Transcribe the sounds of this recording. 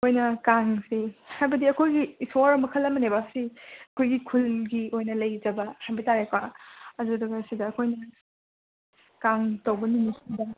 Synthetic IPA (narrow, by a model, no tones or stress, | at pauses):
ojnɐkaŋsihajbɐdiɐkʰojɡisoɾɐmɐkʰɐlɐmɐnebaksiɐkʰojɡikʰulɡiojnɐlɐjd͡ʒɐbɐhajbɐtaɾekwaɐdudɐɡɐsidɐːkʰojnɐ | kaŋtɐwbɐninisidɐ